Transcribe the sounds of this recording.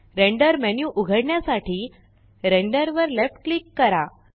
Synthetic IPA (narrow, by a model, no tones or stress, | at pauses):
ɾẽɳɖəɾmɛnjuʔuɡʱəɽɳjasaʈʰiː | ɾẽɳɖəɾʋəɾlefʈ̚klikːəɾa